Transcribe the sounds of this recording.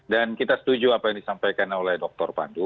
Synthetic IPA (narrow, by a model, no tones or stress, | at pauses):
dankit̪asə̥t̪ud͡ʒuapajaŋdisampajkanolɛhdɔk̚t̪ɔrpa̰ndu